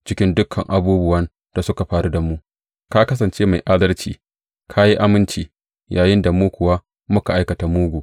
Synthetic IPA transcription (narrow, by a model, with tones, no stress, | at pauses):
t͡ʃɪ˦kʲɪ˦ndʊ˦kʰːɐ̰˨ŋʔa˦buː˦bʊ˦wɐ˦n | d̥a˨sʊ˦ka˨ɸaː˨ɾu˦da˨mu˦ʔ | ka˦kɐ˦s̬ɐ˨nt͡ʃeː˦ma˨jʔa˦dɐ˦rt͡ʃḭː˨ | kʰa˦ji˦ʔa˦mɪ˦nt͡ʃiː˨ | jaː˨jɪ˦nda˨muː˦kʷʊ˨wa˦ | mʊ˦ka˨ʔa˦jkɐ˨ta˨muː˦ɡʷuː˨